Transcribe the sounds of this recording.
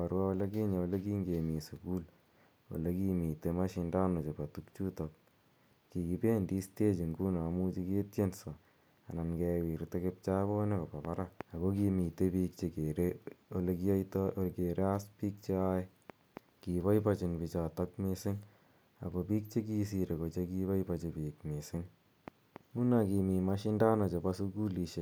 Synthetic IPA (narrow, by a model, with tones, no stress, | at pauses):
a˨ɾwa˦wɔle˦ki˦ɲa˨o˨le˦kiː˦ŋɡe˨mi˨su˨ku˦l | wo̰˨le˦ki˦miː˨te˦ma˦ʃi˧ndaː˦no˨t͡ʃe˨pa˨tu˦k̚t͡ʃu˦tɔ˨k̚ | ki˨ki˨peː˦ndi˦ste˦t͡ʃi˨ŋɡu˦na˨mu˦t͡ʃi˦ke˦tje˦nso˨ | a̰˨na˨nkɛ˧wi˨ɾte˦ke˦p̚t͡ʃa˦bo˦ne˦kopa˨pa˦ɾaa˨ko˦ki˧mi˨te˦piː˦k̚t͡ʃe˨ke˨ɾeolekijtke˨ɾe˦a˦spiː˦k̚t͡ʃe˦a˦je˦ | kiːβa˦jpat͡ʃɪnpi˨t͡ʃatakmesɪ˦ŋ | a̰kopiː˦k̚t͡ʃe˦ki˦s̬iɾe˨ko˨t͡ʃeki˦βa˦jpat͡ʃepiːkmesɪ˦ŋ | mu˦naki˨mi˨maʃi˦ndaː˦no˨t͡ʃe˨pasuku˦liʃe